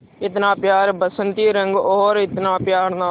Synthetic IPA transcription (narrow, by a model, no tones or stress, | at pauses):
ɪt̪nãːpɪjaːɾbəsənt̪iːɾəŋɡoːɾɪt̪nãːpjaːɾnaː